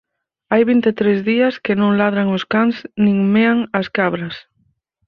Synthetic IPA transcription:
ajβint̪et̪ɾezðiɐskɪnõŋlað̞ɾaŋʊskaŋsnĩŋmeaŋɐskaβɾɐs

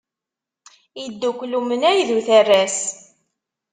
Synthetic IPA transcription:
id̪ːukʷːlumənæjðuθærːæs

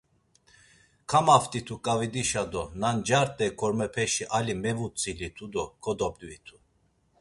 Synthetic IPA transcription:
kʰamaft̪ʼit̪ʰukʼavid̪iʃad̪ɔnand͡ʒaɾt̪ʼɛkʰɔɾmɛpʰɛʃiʔalimɛvut͡sʼilit̪ʰud̪ɔkʰɔd̪ɔpʼvit̪ʰu̥

